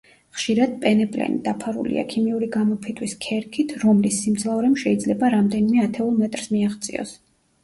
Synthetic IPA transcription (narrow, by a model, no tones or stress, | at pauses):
χʃiɾad̪̥̚pʼɛnɛpʼlɛ̰nḭd̪apʰaɾṵlḭa̰kʰimiuɾiɡamɔpʰit̪ʼʰwiskʰɛɾkʰit̪ʰɾɔmlisːimt̪sʰlauɾɛmʃɛid̪zlɛbaɾamd̪ɛnimɛat̪ʰɛulˠmɛt̪ʼɾsmiaʁt̪sʼḭɔ̰s